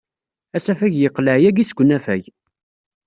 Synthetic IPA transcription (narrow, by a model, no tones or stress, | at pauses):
æsæfæʝjəqːləʕjæɡisɡʷənːæfæʝ